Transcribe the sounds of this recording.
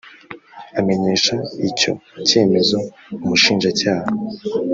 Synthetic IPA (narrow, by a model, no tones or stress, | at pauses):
ame̞ɲe̞ʃaico̞̰ce̞ːme̞zo̞ | umuʃiːnʒacaːha